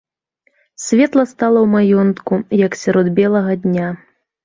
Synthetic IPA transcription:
sʲvʲɛt̪lˠɐst̪alˠɐwmajɔnt̪kujɐksʲaɾɔd̪bʲɛlˠɐɣɐd̪ʲnʲa

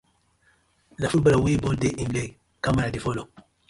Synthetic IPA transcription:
lafulbalawebɔldeʔĩmle | kamaɾadefɔlo

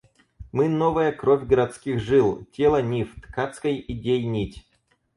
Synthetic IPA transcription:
mɨnovəjəkɾovʲɡəɾɐt̪skʲixʐɨlˠtʲelˠənʲift̪kat̪skəjɪdʲejnʲitʲ

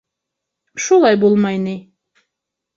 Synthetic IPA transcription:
ʃulˠajbulˠmajni

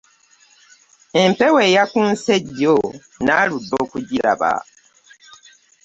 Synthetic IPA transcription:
e̞mpeweːjakunseɟːo | naludːo̞ːkuɟiɾa̰βa̰

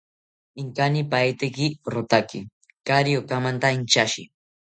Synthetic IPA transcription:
ɪŋkanipajt̪ɪkɪɾot̪akɪ̰ | kaɾijokamant̪aint͡ʃaʃɪ̰

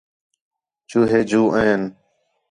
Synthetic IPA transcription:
t͡ʃuːɦeːd͡ʒuːʔə̃ːn

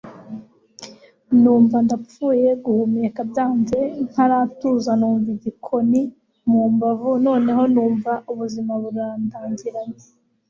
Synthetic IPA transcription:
nuːɱvandap͡fuːje̞ɡuhumiekabjaːnze̞ŋ̥haɾatuzanuːɱviɟikʰo̞ni | muːmbavuno̞ːne̞ɦo̞nuːɱvauβuzimaβuɾaːndaːɲɟiɾaɲe

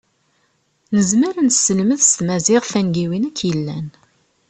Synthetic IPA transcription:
nəzməɾənsəlməðst̪mæzɪʁfænɡiwinækʰːjəlːæn

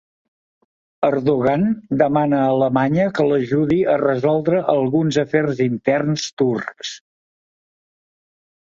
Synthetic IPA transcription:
əɾðuɣ̞and̪əmanəːləmaɲəkələʒuðiərəzɔlˠd̪ɾəʔəlˠɣunzəfɛrzint̪ɛrnst̪urks

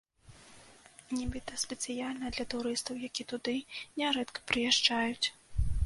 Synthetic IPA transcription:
nʲɛbɨt̪ɐspʲɛt̪sɨjalʲnɐd̪lʲɐt̪uɾɨst̪ɐwjakʲit̪ud̪ɨnʲɛɾɛt̪kɐ̥pɾɨjaʂt͡ʂajut͡sʲ

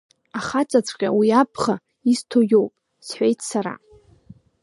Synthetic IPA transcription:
aχat͡sʼat͡sʷʼqʲʼa̰wiapʰχa | istʰojowpʼ | sħʷe̞jtʰsaɾa̰

